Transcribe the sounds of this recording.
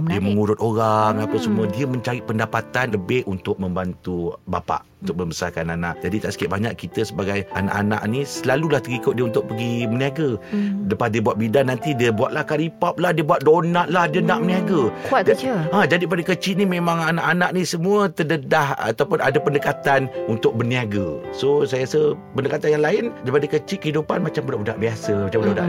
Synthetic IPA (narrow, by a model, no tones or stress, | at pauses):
diəməŋuɾʊt̪oɾaŋapasəmuədiəmə̃ɲt͡ʃaɾɪt̪̚pəndapat̪anləbɪhunt̪ʊk̚mə̃mbant̪uba̰pa̰ʔunt̪ʊk̚mə̃mbəsa̰rkanana̰ʔd͡ʒadit̪aʔsə̥kiaʔ̚baɲakkit̪əsəbaɡajana̰ʔa̰na̰ʔnisəlalulaht̪əɡikʊt̪̚diəunt̪ʊk̚pəɡiməniaɡadəpadiəbuat̪̚bidanːant̪idiəbuaʔ̪̚lahkalipap̚lahdiəbuat̪̚donaʔ̪̚lahdiənaʔməniaɡəkad͡ʒadip̬adəkət͡ʃɪʔ̪̚nimẽmãŋanaʔanaʔnisəmũət̪ədədaha̰t̪awpʊna̰dapəndəkat̪anunt̪ʊk̚bərniaɡəsosajasə | pəndəkat̪anjaŋlaɪndajpadəkət͡ʃɪʔ̪̚kəhidupanmat͡ʃambudahudaʔbiasəmat͡ʃamudauda̰ʔ